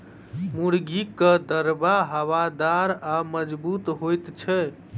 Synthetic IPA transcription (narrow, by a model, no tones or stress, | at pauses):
muɽɡikəd̪əɾbaɦəwad̪aɾaməd͡ʒbut̪ɦojt̪t͡ʃʰɛ